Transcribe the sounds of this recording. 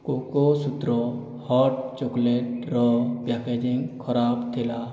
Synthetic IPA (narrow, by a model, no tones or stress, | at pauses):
kokosut̪ɾɔ | hɔʈ̚t͡ʃokleʈ̚ɾɔbjaked͡ʒĩŋɡkʰɔɾaːbt̪ʰela